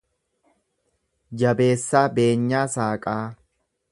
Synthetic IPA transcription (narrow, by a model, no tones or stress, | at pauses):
d͡ʒɐbe̞ːsːaːbe̞ːɲːaːsaːkʼaː